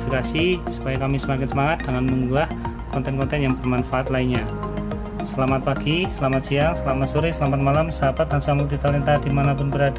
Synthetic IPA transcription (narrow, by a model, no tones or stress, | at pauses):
fikasisu̥pajakamisəmakɪnsəmaŋat̪̚d̥aŋanməŋuah | kɔnt̪ɛnkɔnt̪ɛnjaŋbərmanfaʔat̪lainɲa | səlamat̪̚paɡ̥isəlamat̪̚siaŋsəlamat̪suɾisəlamat̪̚malamsəapat̪aŋsamud̪it̪alint̪ad̥imanapʊnbəɾad